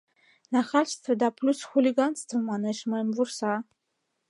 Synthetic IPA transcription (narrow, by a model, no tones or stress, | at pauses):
naχat͡ʃtʰadapʰlʲusχulʲiɡant͡sʰtʰɨmmanɨʃmamursa